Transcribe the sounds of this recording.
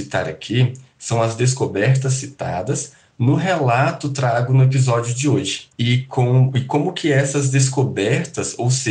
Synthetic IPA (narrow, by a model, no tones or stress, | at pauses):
t̪a̰ɾa̰kʰi | sɐ̃w̃ɐzd̪es̬kobɛɾt̪ɐs̬ːit̪a̰d̪ɐs | nʊɦelat̪ʊt̪ɾaɡʊnʊep̬izɔd͡ʒjʊd͡ʒɪoʒɪ̥ɪkʰõɪkõmʊkʰɪɛsɐzd̪es̬kobɛɾt̪ɐsowse